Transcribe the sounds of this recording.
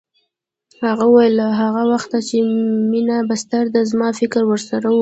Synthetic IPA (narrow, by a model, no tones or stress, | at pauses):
haɣauwajəlaɦaɣawaxt̪at͡ʃeminabast̪aɾd̪azmɑfɪkɾwəɾsaɾa